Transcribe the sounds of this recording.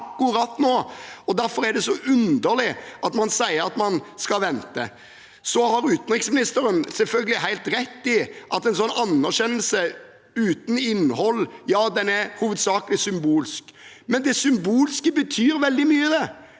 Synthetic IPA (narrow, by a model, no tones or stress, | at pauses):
kːʊɾɑt̪ːnoːɔd̪æɾfɔɾæd̪ɛsɔʔʉnd̪əɾlɪʔɑt̪mɑnsæɪəɾɑt̪mɑnskɑʋɛnt̪ə̰ | sɔhɑɾʉːt̪n̩ʁɪŋsmɪnɪst̪əɾənsɛlfœlɡəlɪɦæɪlt̪ɾɛt̪ːɪʔɑt̪ɛɪnsɔnːɑnːæɾɕɛnːəlsə | ʉːt̪n̩ɪnːhɔlːjɑːd̪ɛnæɾhuːʋəd̪sɑːklɪsʏmbuːlsk | mɛnd̪ɛsʏmbuːlskəbət̪ʰyːɾʋɛld̪ɪmyːəd̪ɛ